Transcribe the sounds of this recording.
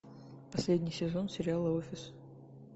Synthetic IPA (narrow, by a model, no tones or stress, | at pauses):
pɐsʲlʲedʲnʲɪjsʲɪzo̞nsʲɪɾʲɪalˠəofʲɪs